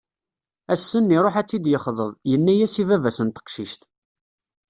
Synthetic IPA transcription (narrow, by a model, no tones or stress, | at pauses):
æsːənːiɾˤoħæt͡sːid̪jəχðˤəðˤjənːæjæsivævæsənt̪ə̥qʃiʃt̪